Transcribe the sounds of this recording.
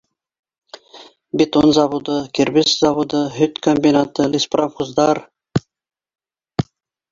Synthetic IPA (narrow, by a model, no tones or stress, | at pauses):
bit̪onzɑβud̪ɤkʲiɾbɪszɑβud̪əɦʏt̪komʲbʲinat̪əlʲispramχuzd̪ɑɾ